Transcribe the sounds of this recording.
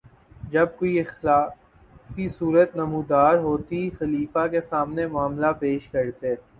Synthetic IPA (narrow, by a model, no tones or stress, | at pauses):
d͡ʒɐb̚koːiɪxlaː | fisuːɾət̪nɐmũːd̪aːɾɦoːt̪ixɐliːfakesaːmnemʊaːmlapeːʃkɐɾt̪eɛː